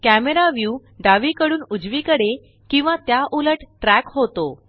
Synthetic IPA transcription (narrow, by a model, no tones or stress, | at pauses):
kæmeɾaʋjuː | ɖaʋikəɽuːnud͡zʋikəɽe | kĩw̃ʋãt̪jaʔuləʈʈɾækɦot̪o